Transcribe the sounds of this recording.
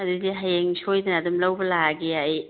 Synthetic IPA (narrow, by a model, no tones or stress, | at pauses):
ɐdudiɦajeŋsʰojdanadumlawbɐlaɡiaj